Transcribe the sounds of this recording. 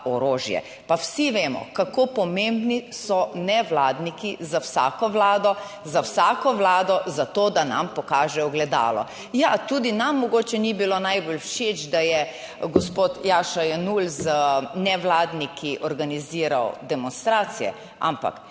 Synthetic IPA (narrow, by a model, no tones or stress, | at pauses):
ɔɾoːʒjɛ̰ | pawsiʋeːmɔ̰kakopɔmẽmbnisɔnɛʋlaːd̪nikizawsa̰ːkɔʋlaːd̪ɔ | zawsaːkɔʋlaːd̪ɔzat̪oːd̪ana̰mpɔkaːʒɛɔɡlɛd̪a̰ːlɔ̰ | jat̪uːd̪inamːɔɡoːt͡ʃɛnibilonajbolwʃet͡ʃd̪ajɛ | ɡɔspoːt̪jaːʃajɛnulznɛʋlaːd̪nikʰiʔɔɾɡaniziːɾawd̪ɛmɔnst̪ɾaːt̪sijɛ̰ | a̰mpa̰k